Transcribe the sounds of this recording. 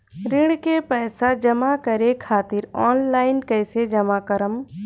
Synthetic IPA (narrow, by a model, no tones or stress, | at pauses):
ɾɪɽ̃kepɛːsad͡ʒɐmakəɾekʰaːt̪ɪɾɔːnlaːɪnkəjsed͡ʒɐmakəɾəm